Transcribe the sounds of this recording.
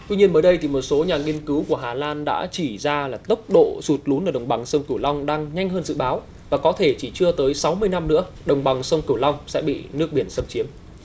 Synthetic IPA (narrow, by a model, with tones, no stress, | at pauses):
t̪wi˧ɲi˧ənməː˨˦jɗə˧jt̪ʰi˨˩mo˨˩t̚so˨˦ɲaː˨˩ŋi˧ənkɨ˨˦wku˧˩əɦaː˨˩laː˧nɗa̰ː˧˥t͡ɕi˧˩zaː˧laː˨˩t̪ə˦˥wk͡p̚ɗo̰˧˨su˨˩t̚lu˨˦nʔaː˨˧˩ɗə˨˩wŋ͡mɓa˨˩ŋsə˧wŋ͡mki˧˩wla˧wŋ͡mɗaː˧ŋɲa˧jŋ̟ɦəː˧nzɨ̰˧˨ɓaː˨˦w | vaː˨˩kɔ˨˦t̪ʰe˧˩t͡ɕi˧˩t͡ɕɨ˧ət̪əː˨˦jsa˨˦wmɨ˧əjna˧mnɨ̰˧˥ə | ɗə˨˩wŋ͡mɓa˨˩ŋsə˧wŋ͡mki˧˩əwla˧wŋ͡msɛ̰˧˥ɓḭ˧˨nɨ˦˥ək̚ɓi˧˩ənsə˧mt͡ɕi˨˦əm